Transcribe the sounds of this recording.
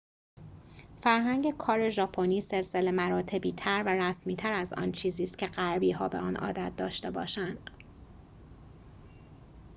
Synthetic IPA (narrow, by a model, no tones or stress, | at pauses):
fæɾɦæɲɟe̞kʰɒːɾe̞ʒɒːpʰoniːse̞lse̞le̞mæɾɒːt̪ʰe̞biːt̪ʰæɾværæsmiːt̪ʰæɾæzɒ̰ːnt͡ʃʰiːziːst̪cʰe̞ɢæɾbiːɦɒːbeɒ̰ːnɒ̰ːd̪æt̪̚d̪ɒːʃt̪e̞bɒːʃænd̪̥